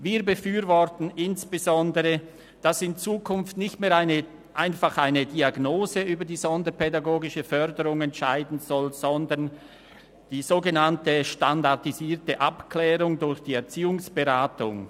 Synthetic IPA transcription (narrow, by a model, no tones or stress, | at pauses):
viːɐbəfyːɾvɔʁtn̩ɪnsb̥əzɔndəʁə | d̥asɪnt͡suːkʰʊnftnɪçtmeːɐaɪnə | ʔaɪnfaχʔaɪnədiaɡnoːzəyːbɐdiːzɔndəpʰɛdaɡoːɡɪʃəfœʁdəʁʊŋɛntʃaɪdn̩zɔlz̥ɔndən | d̥iːzoːɡənantəʃtandaʁtiziːɐtəʔapkʰlɛːʁʊŋdʊɾçd̥iːɛɐt͡siːʊŋsb̥əʁaːtʊ̰ŋ